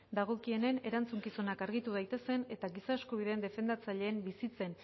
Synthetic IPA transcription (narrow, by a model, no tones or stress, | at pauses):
d̪aɣ̞o̞kie̞ne̞ne̞ɾant͡suŋkiso̞nakaɾɣit̪uð̞ajt̪e̞se̞ne̞t̪aɣisaskuβ̞iðe̞ːnd̪e̞fe̞nd̪at͡saʎe̞ːmbisit͡se̞n